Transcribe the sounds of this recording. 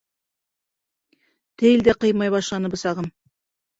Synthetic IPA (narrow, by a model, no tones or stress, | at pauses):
t̪ʰejld̪eqəjmɑjβɑʃlˠɑnəbəsɑʁəm